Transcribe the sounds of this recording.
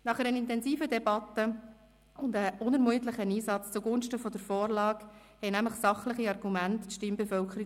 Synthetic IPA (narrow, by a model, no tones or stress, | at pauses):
nɑχɛɾənɪntɛnziːfədɛbɑtːə | ʊndəʔʊnəɾmuət̪lɪχəniːsɑt͡st͡suɡʊnʃtəfɔdəɾfɔːɾlɑːk | hɛɪnæmlɪχsɑχlɪχiɑɾɡumæntːʃtɪmbefœlkχəɾi